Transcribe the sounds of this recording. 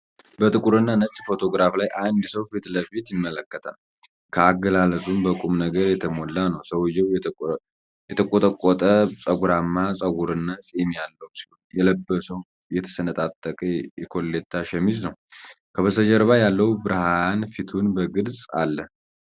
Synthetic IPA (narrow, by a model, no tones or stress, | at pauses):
bət̪ʼɨkʼuɾɨnːanət͡ʃʼːfo̞t̪ʰo̞ɡɾaflajʔand̪səwfit̪ləbet̪jɪmːələkːət̪ʰa̰l | kʰəaɡəlaləsʼumbəkʷʼumnəɡəɾjɛt̪ʰəmo̞lːanəwsəwjɛw | jɛt̪ʰəkʼot̪ʼəkʼːɔt̪ʼəsʼəɡuɾamːasʼəɡuɾɨnːasʼɛmjalːəwsi̥hujɛləbːəsəw | jɛt̪ʰə̥sənət̪ʼat̪ʼːəkʼəjɛkʰo̞lːet̪ʰːaʃɛmiznəw | kʰəβəsəd͡ʒəɾβajalːəwubɨɾɨhaanfit̪ʰunbəɡɨlsʼa̰lːə